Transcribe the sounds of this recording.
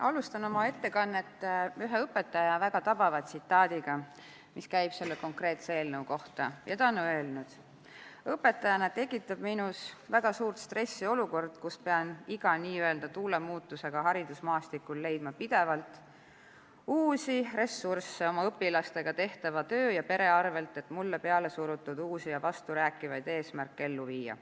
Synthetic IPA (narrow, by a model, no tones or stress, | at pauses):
ʔɑlust̪ɑno̞mɑe̞t̪ːe̞kɑnːet̪ːeyɦeɤpːˑe̞t̪ːˑɑjɑvæɡ̥ɑt̪ɑb̥ɑvɑt̪sit̪ːˑɑːd̪̥iɡ̥ɑ | miskæjb̥se̞lːeko̞ŋkre̞ːt̪seeːlnɤwko̞ht̪ɑ̰jʔɑt̪ɑonːoelnud̪̥ | ɤpːe̞t̪ːˑɑjɑnet̪e̞kːˑit̪ːˑɑb̥minusvæɡ̥ɑsuːrt̪st̪re̞sːio̞luko̞rd̪̥kuspeɑniɡ̥ɑniːye̞ld̪ɑt̪uːle̞muːt̪ːˑuse̞ɡ̥ɑɦɑɾid̪̥usmɑːst̪ikːˑulːe̞jd̪̥mɑpid̪̥e̞vɑlt̪ˑ | uːsire̞sːursːeo̞mɑɤpːilɑst̪e̞ɡ̥ɑt̪e̞ht̪ɑvɑt̪ø̞ːjɑpe̞ɾe̞ɑrve̞lt̪ˑe̞t̪mulːepe̞ɑle̞suɾut̪ːˑud̪̥uːsijɑvɑst̪uɾæːkːˑivɑjd̪̥e̞ːsmærkːee̞lːuviːjɑ̰